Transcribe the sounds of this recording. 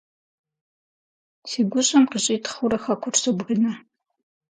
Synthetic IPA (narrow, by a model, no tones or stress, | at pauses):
siːɡʷʊɕʼɐmqiɕʼiːtʰχʊɾɐxɐkʷʰʊrsɨbʁinɐ